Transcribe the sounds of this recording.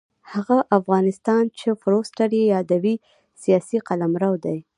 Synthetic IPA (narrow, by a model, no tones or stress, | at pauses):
haɣaʔafɣɑnɪst̪ɑnt͡ʃefɾosʈaɾjejɑd̪awi | sijɑsiqalamɾawd̪aj